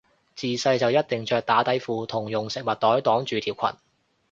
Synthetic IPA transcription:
t͡siː˨sɐ˧jt͡sɐ˨wjɐ˥t̚t̪ɪ˨˩ŋt͡ʃœː˨˧k̚t̪aː˨˥t̪ɐ˨˥jfuː˨˧t̪ʰʊ˨˩ŋjʊ˨ŋsɪ˨k̚mɐ˨˩t̚t̪ɔː˨˥jt̪ɔː˨˥ŋt͡ʃyː˨˧t̪ʰiː˨˩w̚kʰɐ̰˨˩n

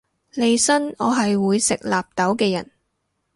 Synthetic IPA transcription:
le˧jsɐ˥nɔː˨˧ɦɐ˨jwuː˨˧jsɪ˨k̚laː˨p̚t̪ɐ˨˥wkɛː˧jɐ̰˨˩n

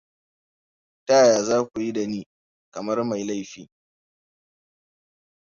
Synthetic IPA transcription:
taː˦jaː˨zaː˦kʷu˨ji˦da˨niː˦ | kɐ˨mɐ˦rma˨jla˦jɸiː˨

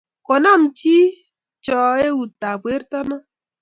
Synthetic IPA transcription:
kɔ˨na˦˨m˨t͡ʃi˦ | t͡ʃɔ˨e˦u˨ta˨bwe˦ɾtɔ˦na˦

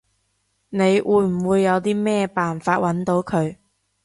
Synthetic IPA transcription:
ne˨˧jwʔuː˨˧jm̩˨˩wuː˨˧jːɐ˨˧wt̪iː˥mɛː˥paː˨nfaː˧t̚wɐ˨˥nt̪o˨˥wkʰɵ˨˧ɥ

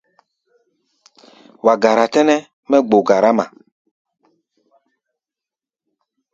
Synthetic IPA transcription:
wa˨ɡa˨ɾa˨tɛ˦nɛ˦ | mɛ˦ɡ͡bo˨ɡa˨ɾa˦ma̰˨

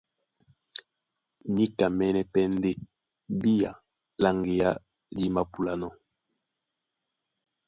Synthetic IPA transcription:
ni˦ka˨mɛ˦nɛ˦pɛ˦n˦de˦ | bi˦ja˨ | la˦ŋɡe˨ja˦ | li˦ma˨pu˨la˨nɔ˦

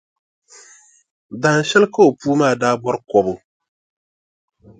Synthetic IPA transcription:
baː˨n̩˨ʃɛ˦lka˦o˨puː˦maː˦˨daː˦bɔ˦ɾkɔ˨bʊ˨

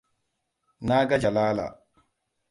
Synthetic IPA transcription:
naː˦ɡa˦d͡ʒa˨laː˦la̰˨

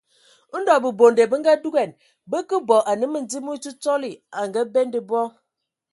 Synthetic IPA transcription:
n̩˦dɔ˨bə˨bo˨nde˨bə˦ŋ˦ɡa˦du˦ɡɛ˨n | bə˦kə˦bɔ˨ʔa˨nɨ˦mə˦n̩˨d͡zi˦mu˦t͡ʃu˦t͡sɔ˦li˨a˨ŋɡa˦be˦ndi˨bɔ˦

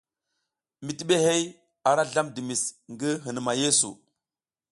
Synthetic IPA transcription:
mi˨ti˨ɓe˦ɦe˦j | a˨ɾa˦ɮa˦mdi˨mi˨sŋɡi˦ɦi˨n˨ma˨je˦so̰˨

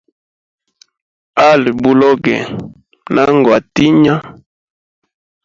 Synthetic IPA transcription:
a˦li˨bu˨lɔ˦ɡɛ̰˨ | na˦ŋɡa˨ti˦ɲa˦

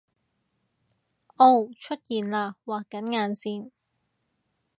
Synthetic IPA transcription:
ʔo˧wt͡ʃʰɵ˥t̚jiː˨nlaː˧waː˨˩kːɐ˨˥nŋaː˨˧nsiː˧n

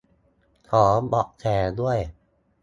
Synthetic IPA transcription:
kʰɔː˩˦bɔː˨˩ʔ̚t͡ɕʰɛː˨˩du˥˩əj

